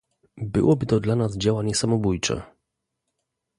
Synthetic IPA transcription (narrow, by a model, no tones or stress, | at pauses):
bɘ̰wʔɔbɘt̪ɔd̪lanazd͡ʑawaɲɛsamɔbujt͡ʂɛ̰